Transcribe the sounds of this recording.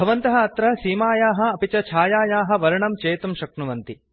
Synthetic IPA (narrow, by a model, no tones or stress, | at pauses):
bʱɐʋɐnt̪ɐɦɐɐt̪ɾɐsiːmaːjaːɦɐ̆ɐpit͡ʃɐt͡ʃʰaːjaːjaːɦɐ̆ʋɐɾɐɳɐmt͡ʃeːt̪ɐmʃɐknuʋɐnt̪i